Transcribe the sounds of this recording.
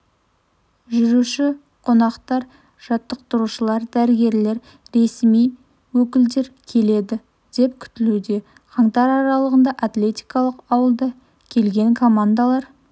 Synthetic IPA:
ʒʏɾuʃɪ | qʰo̞nɑqt̪ɑɾ | ʒ̥ɑt̪ːəq̚t̪əɾuʃəlˠɑɾd̪æɾɪɡʲe̞ɾle̞ɾ | ɾe̞smij | wɵkʲɪld̪e̞ɾkʲʰe̞le̞d̪ɪ | d̪̥e̞p̚kʲʰʏ̥t̪ɪlud̪e̞ | qʰɑŋt̪ɑɾɑɾɑlˠəʁənd̪ɑʔat̪lʲe̞t̪ʲijkɑlˠəqɑwəlˠd̪ɑ | kʲʰe̞lɡʲe̞ŋkʰo̞mand̪alˠɑɾ

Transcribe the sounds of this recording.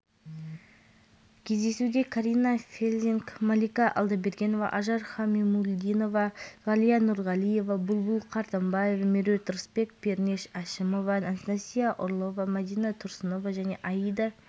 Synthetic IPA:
kʲʰe̞zd̪e̞sud̪ekʰaɾʲijnafʲelʲzʲiŋkmalijkɑʔɑ̰lˠd̪ɑbe̞ɾɡʲe̞no̞vɑ̰ʔɑʒɑɾχɑmimulʲd̪ino̞vɑʁɑlijanuɾʁɑlʲˠije̞vɑbʊlˠbʊlˠqʰɑɾt̪ɑmbɑje̞vameɾʲet̪ɾəspe̞kpe̞ɾne̞ʃaʃɪmo̞vɑnanst̪asʲijaʔʊɾlˠo̞vamæd̪ijnat̪ʰʊɾsəno̞vɑʒæne̞ʔɑjijd̪ɑ

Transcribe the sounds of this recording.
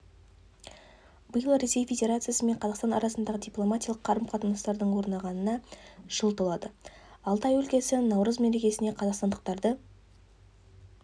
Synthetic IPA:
bəjəlˠɾe̞se̞jfʲe̞dʲe̞ɾat̪sɨjasəme̞ɴqʰɑzɑʁqst̪ɑnɑ̰ɾɑsənd̪ɑʁəd̪ʲijplˠo̞mat̪ʲijɑlˠəqʰːɑɾəmqʰɑt̪ənɑst̪ɑɾd̪əɴwo̞ɾnɑʁɑnənɑʒ̥əlˠt̪əlˠɑd̪əɑlˠt̪ɑjɵlkʲe̞sɪnɑwɾəzme̞ɾe̞kʲe̞sɪne̞qʰɑzɑqst̪ɑnd̪əq̚t̪ɑɾd̪ə

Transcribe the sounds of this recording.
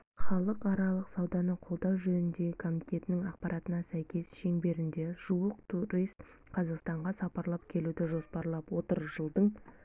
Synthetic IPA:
χɑlˠəqɑɾɑlˠəqsɑwd̪ɑnəqʰo̞lˠd̪ɑwʒɵnɪnd̪e̞ɡʲɪkʰo̞mit̪ʲe̞t̪ɪnɪŋɑqpɑɾɑt̪ənɑsæjkʲe̞sʃe̞ŋbe̞ɾɪnd̪e̞ʒ̥uwəqt̪ʰuɾijst̪ | qʰɑzɑqst̪ɑɴʁɑsɑpɑɾlˠɑpkʲʰe̞lud̪ɪʒo̞spɑɾlˠɑpwo̞t̪əɾʒəlˠd̪əɴ

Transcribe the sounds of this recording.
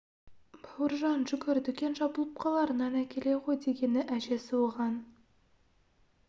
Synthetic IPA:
buɾʒɑnʒɵkʲɵɾd̪ɵ̆kʲenʒɑbulˠɤ̆p̚qɑlˠɑɾə̆nɑnækʲelejʁojd̪eɡʲenɪʔæʒesuwˠʁɑn

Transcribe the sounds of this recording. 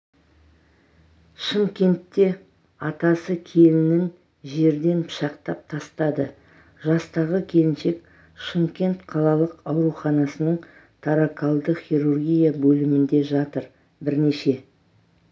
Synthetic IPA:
ʃəmkʲe̞nt̪ːe̞ | ɑt̪ɑsəkʲʰe̞lɪnɪŋ | ʒe̞ɾd̪e̞npʰə̥ʃɑqt̪ɑp̚t̪ʰɑst̪ɑd̪ə | ʒɑst̪ɑʁəkʲʰe̞lɪnʃe̞k̚ | ʃəmkʲe̞nt̪qʰɑlˠɑlˠəqɑwɾuχɑnɑsənəɴ | t̪ʰaɾakʰalˠd̪əχijɾurɡʲijabɵlɪmɪnd̪e̞ʒɑt̪əɾ | bɪɾne̞ʃe̞

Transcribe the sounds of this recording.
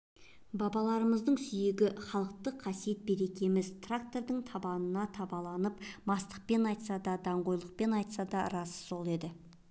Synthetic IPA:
bɑbɑlˠɑɾəməzd̪əɴsʏje̞ɡʲɪχɑlˠəq̚t̪əqʰːɑsijet̪̚be̞ɾe̞kʲe̞mɪzt̪ʰrak̚t̪o̞ɾd̪əɴt̪ʰɑbɑnənɑt̪ʰɑbɑlˠɑnəpmɑst̪ə̥q̚pe̞nɑjt̪sɑd̪ɑd̪ɑɴʁo̞jlˠəq̚pe̞nɑjt̪sɑd̪ɑɾɑsso̞lˠe̞d̪ɪ

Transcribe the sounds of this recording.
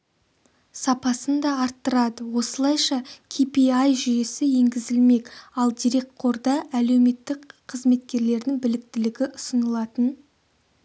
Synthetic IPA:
sɑpɑsənd̪ɑɑɾt̪ːəɾɑd̪əwo̞səlˠɑjʃɑkʲʰipijɑjʒʏje̞sɪje̞ŋɡʲɪzɪlme̞kʲɑlˠd̪ijɾe̞k̚t̪̚qʰo̞ɾd̪ɑʔæle̞wme̞t̪ːɪkqʰəzme̞t̪kʲe̞ɾle̞ɾd̪ɪŋbɪlɪk̚t̪ɪlɪɡʲɪʔʊsənəlˠɑt̪ən

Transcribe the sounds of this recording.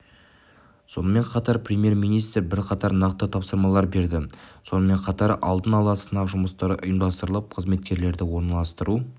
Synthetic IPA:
so̞nəme̞ɴqʰɑt̪ɑɾpʰrʲe̞mje̞ɾmijnijst̪ɾbɪɾqʰɑt̪ɑɾnɑqt̪ət̪ʰɑpsəɾmɑlˠɑɾbe̞ɾd̪ɪso̞nəme̞ɴqʰɑt̪ɑɾɑ̰lˠd̪ənɑlˠɑsənɑʒʊməst̪ɑɾəʔʊjəmd̪ɑst̪əɾəlˠəp̚qʰəzme̞t̪kʲe̞ɾle̞ɾd̪ɪwo̞ɾnɑlˠɑst̪əɾu

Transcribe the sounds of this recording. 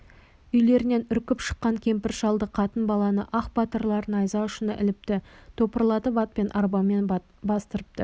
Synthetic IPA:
ʏjle̞ɾɪne̞nʏɾkʲɪpʃə̥qːɑŋkʲʰe̞mpɪɾʃɑlˠd̪əqʰɑt̪ənbɑlˠɑnəʔɑqbɑt̪əɾlˠɑɾənɑjzɑʊʃənə̰ʔɪ̰lɪp̚t̪ɪt̪ʰo̞pəɾlˠɑt̪əbɑt̪̚pe̞nʔɑɾbɑmːe̞n | bɑst̪əɾəp̚t̪ə

